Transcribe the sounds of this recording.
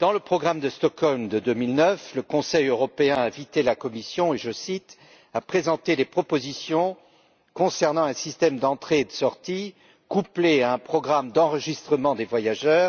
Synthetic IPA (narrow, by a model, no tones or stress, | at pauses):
d̪̥ɑ̃ləpχɔɡʁamd̪əst̪ɔkɔlmd̪əd̪ømilnœfləkɔ̃sɛjøʁɔpeɛ̃ɛ̃vit̪elakɔmisjɔ̃eʒəsit̪ | apχezɑ̃t̪ed̪epχɔpozisjɔ̃ | kɔ̃sɛʁnɑ̃ɛ̃sist̪ɛmd̪ɑ̃t̪χeːd̪əsɔʁt̪i | kupleaɛ̃pχɔɡʁamd̪ɑ̃ʁəʒist̪χəmɑ̃d̪evwajaʒœːʁ